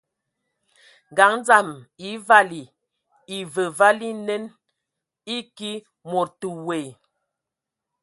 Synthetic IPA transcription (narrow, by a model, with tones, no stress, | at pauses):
ɡa˨˦ŋ˦d͡za˨mi˨˦va˦li˨ | i˨və˨va˦li˦nɛ˦n | i˦ki˦ | mo˨ɾtu˨we˨